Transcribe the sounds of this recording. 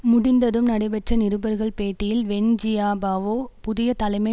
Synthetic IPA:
mʊɽɪnd̪ɐðɯmnɐɽɐɪbɐʈrɐnɪɾɯbɐɾɣɐɭpeːʈːɪjɪlʋɛɲd͡ʒɪjaːbaːʋoːpʊðɪjɐt̪ɐlɐɪmɐɪ

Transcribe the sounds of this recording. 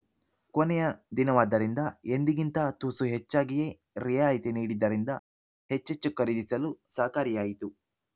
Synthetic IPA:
konɛjɐd̪inɐʋaːd̪ːɐɾind̪ɐend̪iɡint̪ɐt̪uːsuɦet͡ʃːaːɡije | ɾijaːjit̪eniːɽid̪ːɐɾind̪ɐ | het͡ʃːet͡ʃːukɐɾid̪isɐlusaːkaːɾijaːjit̪u

